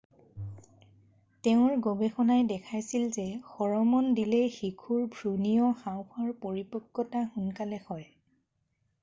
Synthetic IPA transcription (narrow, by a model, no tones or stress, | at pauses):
tɛʊ̃ɹɡobexɔnajdɛkʰajsilzɛxɔɹɔmɔndilɛxikʰuɹbʱɹunijɔxawpʰɔɹpoɹipɔkːɔtaxunkalɛhɔj